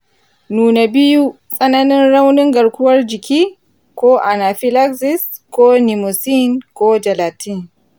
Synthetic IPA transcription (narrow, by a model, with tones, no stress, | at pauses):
nuː˨na˨bɪ˦ju˦ | sʼɐ˦nɐ˦nɪ˦nɽa˦wnɪ˦ŋɡɐ˨ɽkʷʊ˦wɐ˦rd͡ʒɪ˨kʲiː˦ | kʷoː˦ʔa˨na˨ɸi˦la˦ksɪ˦s | kʷoː˦ni˨mo˨si˦nkʷoː˦d͡ʒɐ˨laː˨ti˦˨n